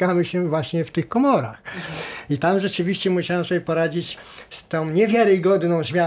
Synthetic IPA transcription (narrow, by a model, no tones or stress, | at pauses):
amɘɕɛvwaɕɲɛft̪ɘxkɔmɔɾaxit̪amʐɛt͡ʂɘvʲiɕt͡ɕɛmuɕawɛmsɔbʲjɛpɔɾad͡ʑit͡ɕst̪ɔ̃w̃ɲɛvʲjaɾɘɡɔd̪nɔ̃w̃ʑvʲja